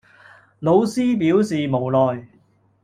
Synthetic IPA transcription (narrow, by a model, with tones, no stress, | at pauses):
lo˨˧wsiː˥piː˨˥wsiː˨mo˨˩wlɔː˨j